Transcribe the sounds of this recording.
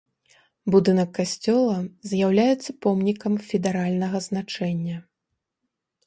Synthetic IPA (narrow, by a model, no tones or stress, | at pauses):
bud̪ɨnɐkːasʲt͡sʲɔlˠɐzʲjawlʲajɛt̪sːɐpɔmnʲikɐmfʲɛd̪ɛɾalʲnɐɣɐznat͡ʂɛnʲːɐ